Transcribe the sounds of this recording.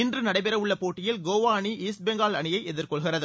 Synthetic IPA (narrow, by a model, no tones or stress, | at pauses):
ɪndrɯnɐɽɐɪpɛɾɐʋʊɭːɐpoːʈːɪjɪlɡoːʋaːɳiʔiːsbɛŋɡaːlɐɳɪjɐɪɛðɪrkɔɭɣɪrɐðɯ